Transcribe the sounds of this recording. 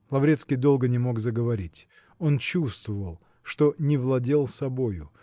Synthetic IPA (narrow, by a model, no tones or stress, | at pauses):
lˠɐvɾʲe̞t̪skʲijd̪o̞lˠɡənʲɪmo̞ɡzəɡəvɐɾʲitʲ | o̞nt͡ɕust̪vəvəlˠ | ʂt̪o̞nʲɪvlˠɐdʲe̞lˠsɐbo̞jʊ